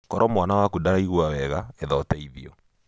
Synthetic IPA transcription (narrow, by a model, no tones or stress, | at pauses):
kɔɾɔmwanawakudaɾaiɣwawɛɣaeðɔtɛiðiɔ̰